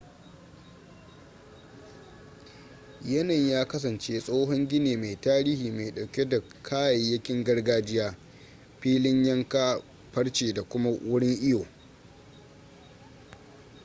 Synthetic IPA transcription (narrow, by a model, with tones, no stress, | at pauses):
jɐ˦nɐ˨ɲjaː˦kɐ˦s̬ɐ˨nt͡ʃeː˦sʼoː˦ɦɔ˦ŋɡʲɪ˦neː˨ma˨jtaː˦ɾiː˦hiː˨ma˨jɗa˨wkʲe˦da˨ | kʰaː˦jɐ˨jjːɐ˦kʲɪ˦ŋɡɐ˦rɡaː˦d͡ʒɪ˦jaː˦ | ɸiː˦lɪ˦ɲjɐ˦ŋka˦ | ɸɐ˦rt͡ʃeː˨da˨kʷʊ˦ma˦wʔʊ˦ɽɪ˦ŋʔɪ˦joː˨